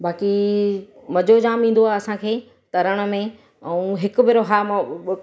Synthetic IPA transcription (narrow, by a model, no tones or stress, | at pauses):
baːki | mɐd͡ʑod͡ʑaːmĩːn̆d̪oaːɦeɐsãkʰeː | t̪ɐɾəɽ̃ə̆mẽ | ɛ̃ũɦɪkʊbɪɾoɦamã